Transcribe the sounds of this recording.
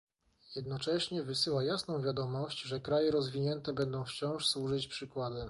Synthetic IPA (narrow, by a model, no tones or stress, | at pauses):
jɛd̪nɔt͡ʂɛɕɲɛvɘsɘwajasnɔ̃w̃vʲjad̪ɔmɔɕt͡ɕʐɛkɾajɛɾɔzvʲiɲɛnt̪ɛbɛnd̪ɔ̃w̃ft͡ɕɔ̃w̃ʂswuʐɘt͡ɕpʂɘkwad̪ɘ